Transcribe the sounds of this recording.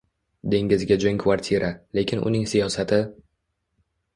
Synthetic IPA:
d̪e̞ŋɪzɡʲad͡ʒʊŋkʰvaɾt̪ʲʰiɾʔale̞kʲɪnʊ̰nɪŋsijɒsat̪ʰɪ

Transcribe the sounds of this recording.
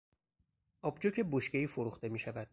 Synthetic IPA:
ʔɒːbd͡ʒocʰe̞boʃce̞iːfoɾuːxt̪e̞miːʃævæd̪̥̚

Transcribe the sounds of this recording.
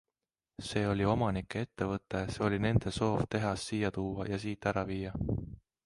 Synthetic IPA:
se̞ːo̞lʲio̞mɑnikːˑee̞t̪ːe̞vɤt̪ːˑe̞se̞o̞lʲine̞nd̪̥e̞so̞ːvt̪e̞ɦɑsːijɑt̪uːɑ̰jɑsiːt̪ːˑæɾɑviːjɑ

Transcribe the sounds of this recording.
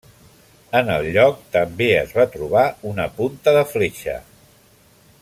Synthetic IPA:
ənəlˠʎɔk̚t̪əmbeəzβat̪ɾuβ̞aunəpunt̪əðəfleʃə̰

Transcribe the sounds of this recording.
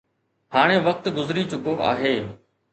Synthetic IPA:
haːɽ̃ẽːʋək̚t̪ɡʊzɾiːt͡ɕʊkoːʔa̰ːɦeː

